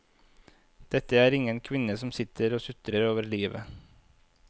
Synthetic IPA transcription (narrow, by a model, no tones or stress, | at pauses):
d̪̥ɛt̪əæːɾɪŋənkʰʋɪnəsɔmsɪt̪ʰəɾoːsʉt̪ɾəɾoːʋəɾɭiːʋə̰